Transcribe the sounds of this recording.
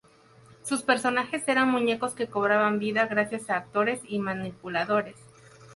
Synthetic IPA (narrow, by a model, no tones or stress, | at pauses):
suspe̞ɾso̞naxe̞se̞ɾanmũɲe̞ko̞ske̞ko̞βɾaβambiðaɣɾasjasaːk̚t̪o̞ɾe̞simanipulaðo̞ɾe̞s